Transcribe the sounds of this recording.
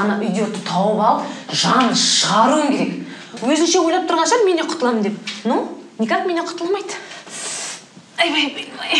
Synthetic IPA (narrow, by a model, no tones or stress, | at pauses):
nɑʔʏjd̪et̪ət̪ʰɑwəpɑlˠəpʒɑnʃəʁɑɾuəmkʲʰe̞ɾe̞k | wɵzɪnʃe̞wo̞jlˠɑpt̪ʰʊɾʁɑnʃɑɾme̞neqʰʊ̥t̪əlˠɑməmd̪ep̚nownʲikat̪me̞neqʰʊ̥t̪əlˠmɑjd̪ | j